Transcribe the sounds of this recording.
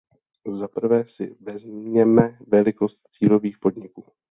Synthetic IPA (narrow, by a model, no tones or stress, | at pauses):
zapr̩vɛːsɪvɛzmiɲɛmɛvɛlɪko̞st̪̚t͡siːlo̞viːxpo̞dɲɪkuː